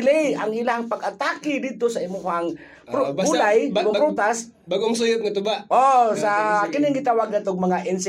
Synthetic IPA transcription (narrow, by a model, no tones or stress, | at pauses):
lɪjaŋɪlaŋpɐɡat̪aːkɪd̪id̪̚t̪osaɪmohaŋ | ɾbulajbaɡoŋpɾot̪as | baɡoŋsʊjʊt̪̚ŋɐt̪ʊbaʔʔossakɪnɪŋɡɪt̪aːwaɡ̚nat̪oɡ̚mɐŋaʔɪnsɪ